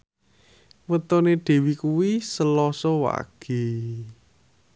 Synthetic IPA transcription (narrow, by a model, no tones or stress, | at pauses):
wət̪ɔneɖ̪̥e̤wikuwisəlɔsɔwa̰ɡ̥e̤